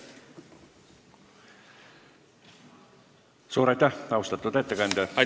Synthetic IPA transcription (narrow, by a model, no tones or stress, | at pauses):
suːɾɑjt̪ːæhɑwst̪ɑt̪ːˑud̪e̞t̪ːekɑnd̪eɑ